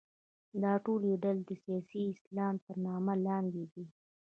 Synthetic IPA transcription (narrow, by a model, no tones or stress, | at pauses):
d̪ɑʈoljeɖald̪əsijɑsiɪslɑmpəɾnɑmalɑnd̪ed̪i